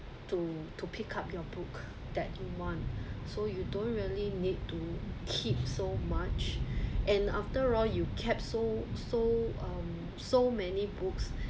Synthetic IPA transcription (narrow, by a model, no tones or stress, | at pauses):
tutʰupʰikʰap̚jɔbuk | d̥̪ɛt̚juwɔ̃ntsojudõntɹiəlinid̚tukʰip̚somat͡ʃʔɛ̃naftəɹɔljukʰɛp̚sosoʌ̃m | somɛnibuks